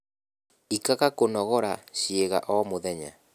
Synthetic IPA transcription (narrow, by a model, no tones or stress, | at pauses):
ikaɣakonɔɣɔɾaʃieɣa̰ʔɔmoðɛɲa̰